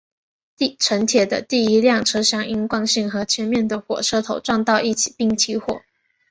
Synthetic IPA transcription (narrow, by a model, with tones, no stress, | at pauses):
t̪i˥˩ʈ͡ʂʰə˧˥ŋt̪ʰjɛ˨˩d̪ə̰˦t̪i˥˩i˧˥ljɑ˥˩ŋʈ͡ʂʰɤ˥ɕjɑ˧˥ŋi˥ŋkwɑ˥˧ŋɕi˥˩ŋxɤ˧˥t͡ɕʰɥɛ˧˥nmjɛ˥˩nd̪ə˩xwɔ̰˨˩ʂɤ˥t̪ʰo˨˩ʊʈ͡ʂwɑ˥˧ŋt̪ɑ˥˧ʊi˥˩t͡ɕʰi̥˨˩pi˥˩ŋt͡ɕʰi˧˥xwɔ̰˨˩˦